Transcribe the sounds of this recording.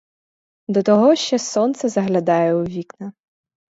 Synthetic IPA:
d̪ɔt̪ɔɦɔʃt͡ʃːɛsɔnt̪sɛzɐɦlʲɐd̪ɑjɛuʋʲiknɐ

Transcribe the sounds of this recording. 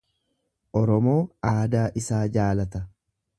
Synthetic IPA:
ʔɔɾɔmoːaːd̪aːʔɪsaːd͡ʒaːlɐt̪ɐ

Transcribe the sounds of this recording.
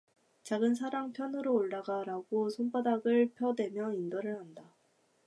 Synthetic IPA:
t͡ɕaɡɯnsʰaɾaŋpʰjʌnɯɾoːɭdaɡaɾaɡosʰonpʰadaɡɯɭpʰjʌdwe̞mjʌindʌɾɯɭhanda

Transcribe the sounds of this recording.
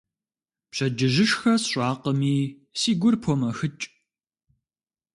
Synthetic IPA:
pɕɐd͡ʒɨʒɪʂxɐsɕʷʼaːqəmiː | siːɡʷʊrpʰomɐxɨt͡ʃʼ

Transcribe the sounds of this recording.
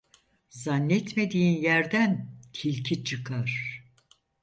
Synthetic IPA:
zanːɛt̪me̞d̪iːinjæɾd̪ænt̪ʰilʲcʰit͡ʃʰɯkʰaɾ̥

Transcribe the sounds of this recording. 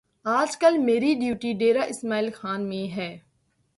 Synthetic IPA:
aːd͡ʒkəlmeːɾiɖjuːʈiɖeːɾaʔɪsmaːiːlxaːnmẽɦɛː

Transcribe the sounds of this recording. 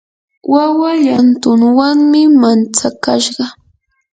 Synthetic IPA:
wawajant̪ʊŋwaŋmɪmant͡sakaʃɢɑ

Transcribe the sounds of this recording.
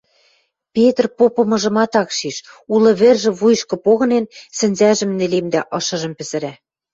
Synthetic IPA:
pʲet̪rpopɤ̆mɤ̆ʒɤ̆mɑt̪ɑkʃiʃulɤ̆βɘ̆rʒɘ̆βujʃkɤ̆poɣɤ̆nensɘ̆nʲzæʒɘ̆mnɘ̆lemd̪æʔɤ̆ʃɤ̆ʒɤ̆mpɘ̆zɘ̆ɾæ

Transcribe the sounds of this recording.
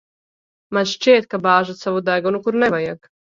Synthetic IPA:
mat͡ʃt͡ʃeːt̪kabaːʒasaʋod̪ajɡonukuɾnɛʋajaɡ

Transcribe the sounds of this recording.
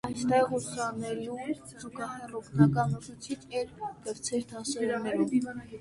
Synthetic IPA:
ɑjsʰt̪ɛʁut͡sʰjɑnːɛɾium | zukɑhɛrɔpnɑkɑnɔt͡sʰut͡sʰit͡ʃɛɾkəɾt͡sʰɛɾt̪ʰɑsɛɾunɛɾu

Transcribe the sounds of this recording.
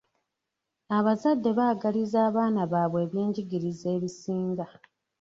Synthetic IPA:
aβazadːe̞βaːɡalizaːβaːnaβaːβwe̞ːβjeːɲɟiɡiɾize̞ːβisiːŋɡa

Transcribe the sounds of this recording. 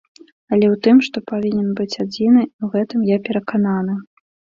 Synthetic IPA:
ɐlʲɛwt̪ɨmʂt̪ɔpavʲinʲɛnbɨt͡sʲad͡zʲinɨiwɣɛt̪ɨmjapʲɛɾɐkananɨ

